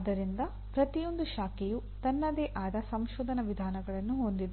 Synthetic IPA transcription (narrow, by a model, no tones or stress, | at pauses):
d̪ɐɾind̪ɐ | pɾɐt̪ijo̞nd̪uʃaːkɛju | t̪ɐnːɐd̪eːʔaːd̪ɐsɐmʃoːd̪ʱɐnɐʋid̪ʱaːnɐɡɐɭɐnːuɦond̪id̪